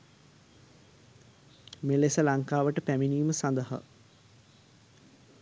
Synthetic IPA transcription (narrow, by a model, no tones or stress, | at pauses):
melesəlaŋkaːʋəʈəpæminiːməsand̪əɦa̰